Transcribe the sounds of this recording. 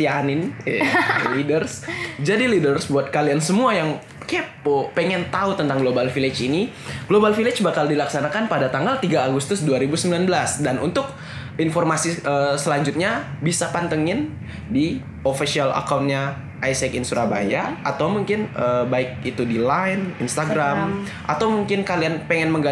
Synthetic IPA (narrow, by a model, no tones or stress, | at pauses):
t̪ianɪn | lidərsd͡ʒadilidərsbuat̪̚kaliansəmuajaŋ | kepopeŋɛnt̪aut̪ənt̪aŋɡlobalfilɪt͡ʃini | ɡ̥lobalfilɪt͡ʃbakaldilaksanakanpadat̪aŋɡalt̪iɡaːɡust̪ʊsduaɾibusəmbilanbəlasdanʔunt̪ʊk̚ | informasiʔəsəlaɲd͡ʒut̪̚ɲabisapant̪əŋɪn | di | ofisiala̰kaun̚ɲa | ʔajsɛkinsuɾaba̰jaʔat̪awmuŋkɪnəbaɪk̚it̪udilajninst̪aɡɾam | ʔa̰t̪awmuŋkɪnkalianpeŋɛnməŋɡa